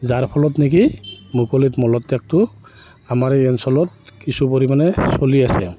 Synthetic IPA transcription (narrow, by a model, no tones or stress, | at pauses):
zaɹpʰɔlɔtnik̬imukɔlitmɔlɔtːɛk̚tʊ | amaɹɛnsɔlɔt̚kisupoɹimanɛsoliasɛ̰